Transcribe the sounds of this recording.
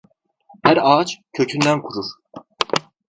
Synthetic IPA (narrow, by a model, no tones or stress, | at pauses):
hæɾɑːt͡ʃcʰø̞cʰynd̪ænkʰuɾuɾ̥